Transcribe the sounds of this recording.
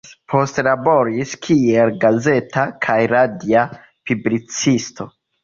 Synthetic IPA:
pʰo̞stlabo̞ɾiskʰielɡaze̞takʰajɾadia | piblit͡sisto̞

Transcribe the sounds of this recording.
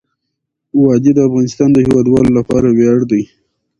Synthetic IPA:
wɑd̪ed̪əafɣɑnɪst̪ɑnd̪əhɪwɑd̪wɑlolapɑɾawjɑɽd̪aj

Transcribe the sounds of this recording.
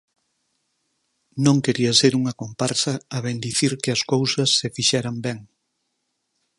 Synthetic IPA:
nõŋkeɾiɐseɾuŋɐkompaɾsɐːβend̪iθiɾkɪɐskowsɐsːefiʃɛɾɐmbɛŋ

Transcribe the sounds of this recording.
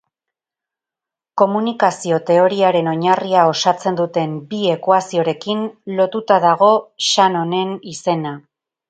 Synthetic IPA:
ko̞munikasio̞t̪e̞o̞ɾiaɾe̞no̞ɲariao̞sat͡se̞nd̪ut̪e̞mbie̞kwasio̞ɾe̞kinlo̞t̪ut̪aðaɣ̞o̞ʃano̞ne̞nise̞na

